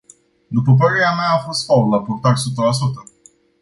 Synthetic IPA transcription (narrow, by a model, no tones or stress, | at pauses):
d̪upəp̬əɾeɾameaːfo̞st̪faullapurt̪aɾʲsut̪əlas̬ut̪ə